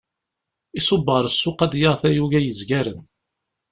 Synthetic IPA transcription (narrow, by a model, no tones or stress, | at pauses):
isˤʊbːəɾˤəsːʊqæd̪jəʁθæjuʝæjəzɡæɾən